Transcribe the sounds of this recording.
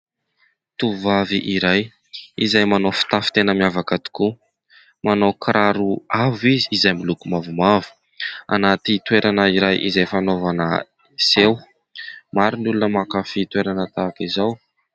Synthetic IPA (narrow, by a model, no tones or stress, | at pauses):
t̪uvaviʔiɾaj | izajmanowfi̥t̪afi̥t̪enəmiavakat̪i̥ku | manawkɾʔaɾuaviziːzajmilukumavumavu̥ | a̰nat̪it̪weɾʔanəiɾajʔizajfanovanə̰ | sew | maɾinulunəmakafit̪weɾanət̪aːkizaw